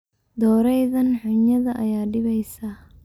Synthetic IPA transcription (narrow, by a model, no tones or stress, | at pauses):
d̪ɔːɾɛjðɐnħʊɲɐðɐʔɐ̰jaːɖɪβɛjsɐ